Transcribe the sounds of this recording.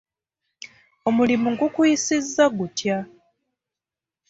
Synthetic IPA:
o̞mulimuŋɡukuisizːaɡutja

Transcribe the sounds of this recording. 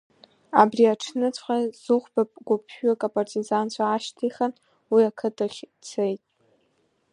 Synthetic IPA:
abriaʈ͡ʂʰnɨt͡sʷʰʼχazɨχʷbap̚ʼɡʷʊpʰːakʼapʼartʼizant͡ɕʷʰaːʃtʰiχan | wiakʰɨtʰʼaχʲ | t͡sʰejtʼ

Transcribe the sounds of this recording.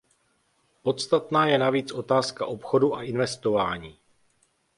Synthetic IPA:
po̞t̪st̪at̪naːjɛnaviːt͡sʔo̞t̪aːskaʔo̞pxo̞duʔaʔɪnvɛst̪o̞vaːɲiː

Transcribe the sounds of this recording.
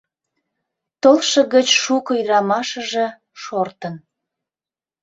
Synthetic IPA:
t̪olʃə̆ɣət͡ɕʃukəjrɑmɑʃə̆ʒĕ | ʃort̪ən

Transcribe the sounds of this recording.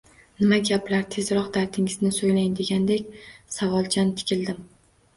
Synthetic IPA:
nɪmaɡʲaplaɾt̪ʰe̞zɾɒqd̪aɾt̪ʰɪŋɪznɪsojlajnd̪e̞ɡʲand̪ekʲsavɒlˠt͡ʃʰant̪ʰɪ̥kʲɪld̪ɪm

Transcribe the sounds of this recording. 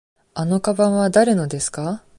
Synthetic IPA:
ano̞kabãɰ̃βad̪aɾe̞no̞d̪e̞sɨ̥ka

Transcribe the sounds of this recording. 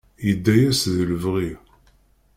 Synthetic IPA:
jəd̪ːæjæsðələvʁi

